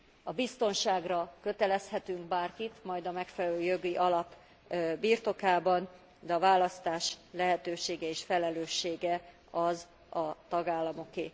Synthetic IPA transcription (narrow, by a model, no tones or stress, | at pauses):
ɒbist̪o̞nʃaːɡrɒkø̞t̪ɛlɛshɛt̪yŋkbaːrkit̪mɒjd̪ɒmɛkfɛlɛløːjo̞ɡiʔɒlɒp | biːrt̪o̞kaːbɒn | d̪ɛɒvaːlɒst̪aːʃlɛɦɛt̪øːʃeːɡɛeːʃfɛlɛløːʃːeːɡɛ | ɒz | ɒt̪ɒɡaːlːɒmo̞keː